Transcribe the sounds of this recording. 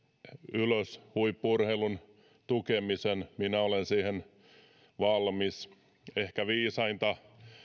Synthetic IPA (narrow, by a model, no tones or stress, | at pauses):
yløshuipːurheilun | t̪ukemisenminæolensiːhen | ʋɑlmis | ehkæʋiːsɑint̪ɑ